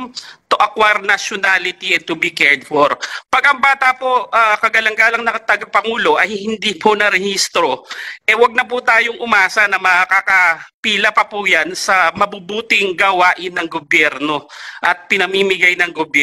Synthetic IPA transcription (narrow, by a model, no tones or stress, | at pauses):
t̪ʊʔɐkwaɾnɐʃjonalɪt̪iʔɛt̪ubikɛɹd̪foɾpɐɡɐŋbaːt̪ɐpo̞ʔakɐɡɐlɐŋɡaːlɐŋnɐt̪ɐɡɐpɐŋuːlo̞ʔɐjhɪnd̪iːpʰonɐɾɛhist̪ɾoʔɛwɐɡ̚nɐpʊt̪aːjoŋʔʊmaːsɐnɐmɐkakɐpiːlɐpɐpujansɐmɐbubuːt̪ɪŋɡɐwaːʔɪnːɐŋɡobjɛɾno̞ʔɐt̪̚pɪnɐmimɪɡajnɐŋɡobjɛ